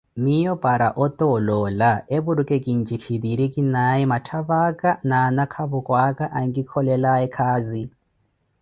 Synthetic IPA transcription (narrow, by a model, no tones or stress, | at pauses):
mijɔpʼaɾa̰ʔɔt̪ʼɔlɔːlaeβuɾukʼekʼint͡ʃʼikʰid̪iɾikʼinaimatʰaβakʼananakʰaβukʼwakʼaʔaŋɡikʰɔlɛlaɛkʰaːzi